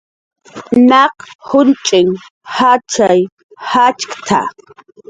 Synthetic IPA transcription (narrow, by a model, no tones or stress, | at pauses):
naqhʊnt͡ʃʼɪŋ | hat͡ʃaj | hat͡ʃkt̪ʰa̰